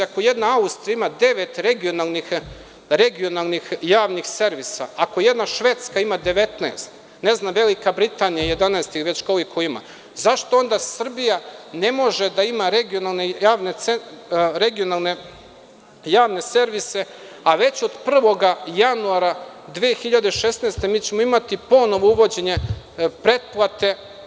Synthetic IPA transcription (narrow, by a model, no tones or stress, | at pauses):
akoje̞d̪naaust̪ɾijaimad̪e̞ʋe̞t̪ɾe̞ɡijo̞nalˠnix | ɾe̞ɡio̞nalˠnixjaːʋnixse̞ɾʋisa̰akojed̪naʃʋe̞ːt̪skaimad̪e̞ʋe̞t̪naest̪ | ne̞znamʋe̞likabɾit̪aːnijajed̪anaest̪iʋe̞t͡ɕkoʋikʰoima̰ | zaʃt̪o̞o̞nd̪asr̩bijane̞mo̞ʒed̪aimaɾeɡio̞nalˠnejaːʋneeɾe̞ɡijo̞nalˠne̞ | jaːʋne̞se̞ɾʋise̞ | aʋe̞t͡ɕo̞d̪pr̩ʋo̞ɡajanuaɾad̪ʋiexiʎad̪e̞iʃe̞snaːst̪e̞miːt͡ɕemoimat̪ipo̞no̞ʋo̞uʋo̞d͡ʑeɲe̞ | pɾe̞d̪̚plˠat̪e̞